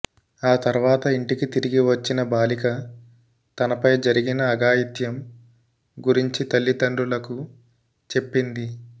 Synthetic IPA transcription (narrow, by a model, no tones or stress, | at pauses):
aːt̪ɐɾuʋaːt̪ɐiɳʈikit̪iɾiɡiʋɐt͡ʃːinɐbaːlikɐ | t̪ɐnɐpɐjd͡ʒɐɾiɡinɐːɡaːjit̪jɐm | ɡuɾiɲt͡ʃit̪ɐlːit̪ɐɳɖulɐku | t͡ʃe̞pːind̪i